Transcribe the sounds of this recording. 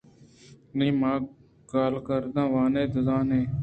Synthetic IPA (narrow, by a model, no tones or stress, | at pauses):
nĩːmãː | ɡaːlkəɾd̪ãːʋãːnẽːd̪əzãːnẽː